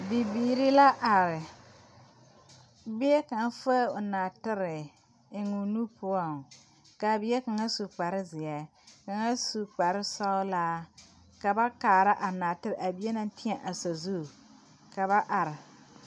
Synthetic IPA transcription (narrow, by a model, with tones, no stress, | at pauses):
bi˨biː˨ɾɪ˦la˦ʔa˨ɾɪ˨ | bɪ˦ɛ˦ka˨n˦fa˦ʊ˨naː˨tɪ˦ɾɪ˨ | ɪ˨ŋu˨nu˦pʊ˦a˦˨ | ka˨bɪ˦ɛ˦ka˨ŋa˦su˨k͡pa˨ɾɪ˦zɪ˨a˨˦ | ka˨ŋa˦su˨k͡pa˨ɾɪ˦sa˦ʊ˦la˦ | ka˨ba˦kaː˨ɾa˦ʔa˨na˨tɪ˦ɾɪ˨ʔa˨bi˨˦e˦na˦n˦tɪ˦a˨ʔa˨sa˨zu˦˨ | ka˨βa˦ʔa˨ɾɪ˨